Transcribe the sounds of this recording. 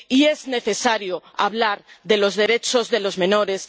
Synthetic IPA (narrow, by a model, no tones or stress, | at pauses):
ie̞zne̞θe̞saɾjoa̰βlaɾðe̞lo̞zðe̞ɾe̞t͡ʃo̞zðe̞lo̞zmẽ̞no̞ɾe̞s